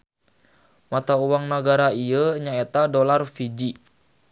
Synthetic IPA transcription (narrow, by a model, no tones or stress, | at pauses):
mat̪auwaŋnaɡaɾaiəɲaet̪adolarfid͡ʒi